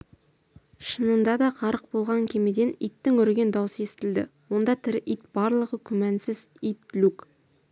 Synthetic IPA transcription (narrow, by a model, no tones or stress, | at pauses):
ʃənənd̪ɑd̪ɑqʰɑɾəq̚bo̞lˠʁɑŋkʲʰe̞me̞d̪e̞nijt̪ːɪŋɵɾɡʲe̞nd̪ɑwsəe̞sɪ̥t̪ɪld̪ɪ̰wo̞nd̪ɑt̪ʰɪɾʔijt̪b̥ɑɾlˠəʁəkʲʰʏmænsɪz̥ | ijt̪luk